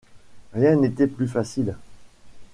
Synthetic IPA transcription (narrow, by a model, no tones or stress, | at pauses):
ʁjɛ̃net̪ɛplyfasil